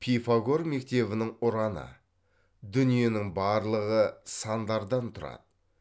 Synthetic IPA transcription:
pʰijfaɡo̞rme̞k̚t̪e̞βɪnɪŋʊɾɑnə̰ | d̪ʏnije̞nɪŋbɑɾlˠəʁəsɑnd̪ɑɾd̪ɑnt̪ʰʊɾɑ̰d̪̥ə

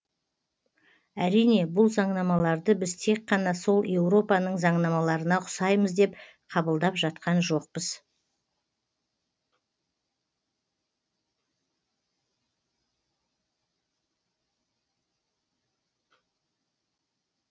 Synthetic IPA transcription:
æɾijne̞bʊlˠzɑɴnɑmɑlˠɑɾd̪əbɪzt̪ʰe̞kqːɑnɑso̞lˠje̞wɾo̞pɑnəɴzɑɴnɑmɑlˠɑɾənɑqʰʊ̥sɑjməzd̪e̞p | qʰɑbəlˠd̪ɑpʒɑt̪qɑnʒo̞q̚pəz̥

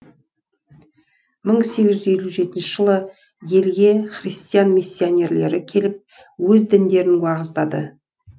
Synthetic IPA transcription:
məɴse̞ɡʲɪʒʏze̞lʲuʒe̞t̪ɪnʃəʒ̥əlˠə | je̞lɡʲe̞χrist̪ijanmisːionʲe̞ɾle̞ɾɪkʲʰe̞lɪp̚ | wɵzd̪ɪnd̪e̞ɾɪnwɑʁəzd̪ɑd̪ə̰

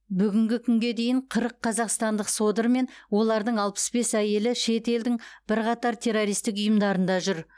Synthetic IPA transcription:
bʏɡʲɪŋɡʲɪkʲʰʏŋɡʲe̞d̪e̞jɪɴqʰəɾəqʰːɑzɑqst̪ɑnd̪əqso̞d̪əɾme̞nwo̞lˠɑɾd̪əɴɑlˠpə̥sbe̞sæje̞lɪʃe̞t̪e̞ld̪ɪŋb̥ɪɾqɑt̪ɑɾt̪ʲʰe̞ɾːo̞ɾijst̪ɪk̬ʊjəmd̪ɑɾənd̪ɑʒʏɾ

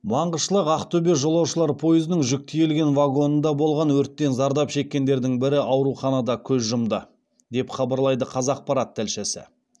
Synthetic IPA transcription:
mɑɴʁəʃəlˠəqɑqt̪ʰɵbe̞ʒo̞lˠɑwʃəlˠɑɾpʰo̞jəzənəŋʒʏk̚t̪ʰijelɡʲe̞nvɑɡo̞nənd̪ɑbo̞lˠʁɑnwɵɾt̪ːe̞nzɑɾd̪ɑpʃe̞kʲːe̞nd̪e̞ɾd̪ɪŋbɪɾɪʔɑwɾuχɑnɑd̪ɑkʲʰɵzʒʊmd̪ə | d̪e̞pχɑbɑɾlˠɑjd̪əqʰɑzɑq̚pɑɾɑt̪ʰːælʃesɪ̰

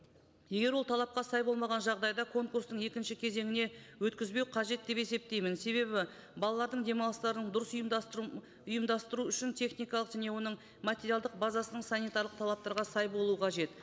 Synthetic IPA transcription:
je̞ɡʲe̞ɾwo̞lˠt̪ʰɑlˠɑp̚qɑsɑjbo̞lˠmɑʁɑnʒɑʁd̪ɑjd̪ɑkʰo̞ŋkurst̪əɴe̞kʲɪnʃɪkʲʰe̞ze̞ŋɪne̞wɵt̪kʲɪzbe̞wqʰɑʒe̞t̪̚d̪e̞pe̞se̞p̚t̪e̞jmɪnse̞βe̞bɪ | bɑlˠɑlˠɑɾd̪əɴd̪e̞mɑlˠəst̪ɑɾənəɴd̪ʊɾəsʊjm | ʊjəmd̪ɑst̪əɾuʏʃɪnt̪ʰe̞χnijkɑlˠəqʒæne̞wo̞nəɴ | mat̪ʲe̞ɾijalˠd̪əq̚bazɑsənəɴsanijt̪aɾlˠəq̚t̪ʰɑlˠɑp̚t̪ɑɾʁɑsɑjbo̞lˠuəqʰɑʒe̞t̪

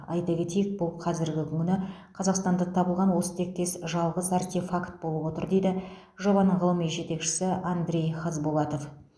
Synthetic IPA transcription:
ɑjt̪ɑkʲe̞t̪ejɪk̚bʊlˠqʰɑzɪɾɡʲɪkʲʰʏŋʲɪnɪqʰɑzɑqst̪ɑnd̪ɑt̪ʰɑbəlˠʁɑnwo̞sə̥t̪ʰe̞k̚t̪e̞sʒɑlˠʁəzɑrt̪efakt̪̚bo̞lˠəpwo̞t̪əɾd̪e̞jd̪ɪ | ʒo̞bɑnəɴʁəlˠəmijʒe̞t̪e̞kʃɪ̥sɪʔand̪ɾʲe̞jχɑzbolˠɑt̪o̞f

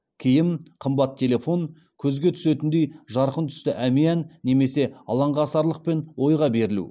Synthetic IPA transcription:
kʲʰejɪmqʰəmbɑt̪ʰːe̞le̞fo̞ŋ | kʲʰɵzɡʲe̞t̪ʰʏ̥se̞t̪ɪnd̪e̞jʒɑɾqənt̪ʰʏ̥st̪ɪʔæmeænːe̞me̞se̞ɑ̰lˠɑɴʁɑsɑɾlˠəq̚pe̞nwo̞jʁɑbe̞ɾɪlṵ

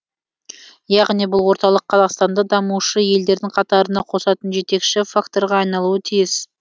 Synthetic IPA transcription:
jɑʁnijbʊlˠwo̞ɾt̪ɑlˠəqʰːɑzɑqst̪ɑnd̪ɑd̪ɑmuʃəje̞ld̪e̞ɾd̪ɪŋqʰɑt̪ɑɾənɑqʰo̞sɑt̪ənʒe̞t̪e̞kʃɪfakt̪o̞ɾʁɑːjnɑlˠuət̪ʰijɪz

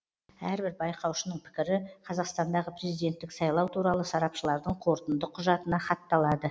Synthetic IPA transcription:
æɾbɪɾbɑjqɑwʃənəɴpʰɪ̥kʲɪɾɪqʰɑzɑqst̪ɑnd̪ɑʁəpɾe̞zijd̪e̞nt̪ːɪksɑjlˠɑwt̪ʰuɾɑlˠəsɑɾɑpʃəlˠɑɾd̪əɴqʰo̞ɾt̪ənd̪əqʰʊʒɑt̪ənɑχɑt̪ːɑlˠɑd̪ə

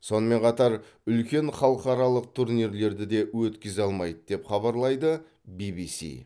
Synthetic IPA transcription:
so̞nəme̞ɴqʰɑt̪ɑɾ | ʏlkʲe̞nɴχɑlˠəqɑɾɑlˠəq̚t̪ʰuɾniɾle̞ɾd̪ɪd̪e̞wɵt̪kʲɪzɑlˠmɑjd̪əd̪e̞pχɑbɑɾlˠɑjd̪ə | bibisḭ

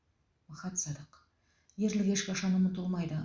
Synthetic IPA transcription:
wɑχɑt̪sɑd̪əq | je̞ɾlɪkʲeʃkʲɑʃɑmənʊt̪əlˠmɑjd̪ə

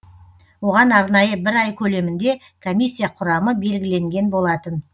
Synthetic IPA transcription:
wo̞ʁɑnɑɾnɑjəbɪɾɑjkʲʰɵle̞mɪnd̪e̞ | kʰomʲijsʲːijaqʰʊɾɑməbe̞lɡʲɪle̞ŋɡʲe̞nbo̞lˠɑt̪ən

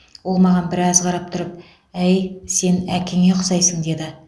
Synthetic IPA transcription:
wo̞lˠmɑʁɑnbɪɾɑzqʰɑɾɑp̚t̪ʰʊɾəp̚ | æjse̞nækʲʰeŋe̞qʰʊsɑjsəɴd̪e̞d̪ɪ

